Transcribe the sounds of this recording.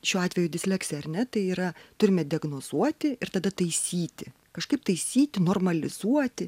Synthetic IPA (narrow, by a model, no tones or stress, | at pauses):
ʃʲuːɑːt̪ʲʋʲɛjʊd̪ʲɪsʲlʲæksʲɛɐɾʲnʲɛt̪ɐɪiːɾɐt̪ʊɾʲɪmʲɛd̪ʲɪɐɡnoːz̥uɔt̪ʲɪɪɾt̪ɐd̪ɐt̪ɐɪsʲiːt̪ʲɪ | kɐʃkɐɪp̚t̪ɐɪsʲiːt̪ʲɪnoːrmɐlʲɪz̥uɔt̪ʲɪ